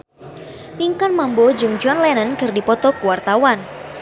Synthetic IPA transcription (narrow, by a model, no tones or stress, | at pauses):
tiŋkanmambɔd͡ʒɨŋd͡ʒuanlɛnənkɨrdipɔt̪ɔkuwart̪awan